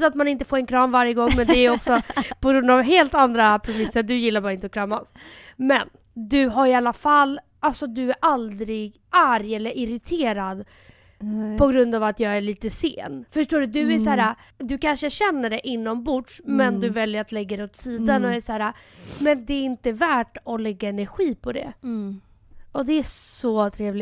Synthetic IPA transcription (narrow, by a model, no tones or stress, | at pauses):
at̪manɪnt̪əfoːɾɛnkʰɾɑːnvaɾjəɡɔŋmɛnd̪ɛæjɔksɔpʰɔɡɾɵnd̪avɦeːlt̪and̪ɾapʰɾɛmɪsːəɖɵjɪlːaɾbɑːɾaɪnt̪əɔkʰɾɑːmasmɛ̰n | d̪ɵɦaɾɪalːafalː | alsɔd̪ɵæɾʔald̪ɾɪɡ | aɾjɛlːəɾʔɪɾɪt̪ʰeːɾad̪ | pʰɔɡɾɵnd̪avat̪jɑːɡæɭiːt̪əsḛːnfœʂʈoːɖɵd̪ɵæʂæːɾad̪ɵkanʂəɕɛnːəɖɛʔɪnːɔmbʊɖʂmɛnd̪ɵvɛljəɾat̪lɛɡːad̪ɛɔt̪siːd̪anɔæʂæːɾamɛnd̪ɛːɾɪnt̪əvæːʈɔlɛɡːaɛnæɾɧiːpʰɔd̪ɛ̰ | ɔd̪ɛːsɔt̪ʰɾeːvlɪ